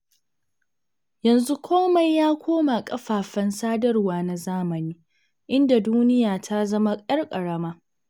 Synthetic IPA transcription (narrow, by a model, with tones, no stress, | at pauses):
jɐ˨nzu˦kʷoː˦mɐ˨jjaː˦kʷoː˦ma˨kʼɐ˦ɸaː˨ɸɐ˦nsaː˦dɐ˦rwaː˨na˨zaː˦mɐ˨niː˦ | ʔɪ˦nda˨duː˦nɪ˦jaː˨tʰa˦zɐ˦ma˦kʼɐ˦rkʼɐ˨ɽɐ˦maː˦